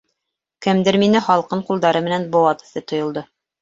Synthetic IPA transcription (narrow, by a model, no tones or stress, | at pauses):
kɘ̆md̪ɘɾminɘχɑlˠqɤɴqulˠd̪ɑɾɤmɘ̆nænbŏwɑt̪ɤ̥̆θɤt̪ŏjŏlˠd̪ɤ